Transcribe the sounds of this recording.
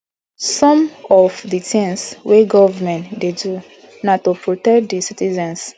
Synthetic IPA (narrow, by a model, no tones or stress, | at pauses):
sɔ̃mɔvditĩŋsweɡɔvmɛ̃ntdedu | natopɹotɛkdisitizɛ̃ns